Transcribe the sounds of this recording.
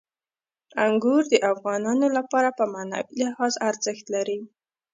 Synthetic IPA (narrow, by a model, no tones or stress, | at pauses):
aŋɡuɾd̪əʔafɣɑnɑnolapɑɾapəmana̰wilɪhɑzaɾzəxt̪laɾi